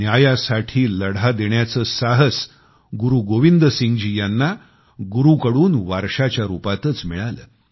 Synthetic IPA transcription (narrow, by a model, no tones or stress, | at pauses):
njajasaʈʰiːləɽad̪eɳjat͡səːsaɦəs | ɡuɾuːɡoʋind̪əsiŋɡd͡ʑiːjanːa | ɡuɾuːkəɽuːnʋaɾʂat͡ɕjaɾupat̪ət͡smiɭalə̰ː